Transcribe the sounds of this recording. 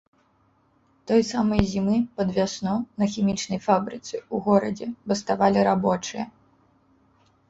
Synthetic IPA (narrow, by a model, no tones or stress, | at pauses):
t̪ɔjsamɐjzʲimɨpɐd̪vʲasnɔnɐxʲimʲit͡ʂnɐjfabɾɨt̪sɨuɣɔɾɐd͡zʲɛbɐst̪avalʲiɾabɔt͡ʂɨjɐ